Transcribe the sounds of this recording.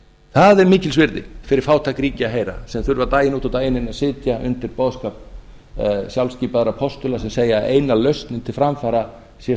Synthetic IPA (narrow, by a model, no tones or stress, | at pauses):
θaðɛɾmɪːcɪlsvɪɾðɪ̰fɪɾɪɾ̥faːwt̪ʰakɾiːcɪaɦeːjɾa̰sɛmθʏɾvat̪aːjɪnuːt̪at̪aːjɪnɪnasɪːt̪jaʔʏ̰nt̪ɪɾpɔːðskap | sjawlsciːpaðɾapʰɔst̪ʏlasɛmseːjaḛːjnalœɥst̪nɪnt̪ʰɪlfɾamfaːɾa | sjɛ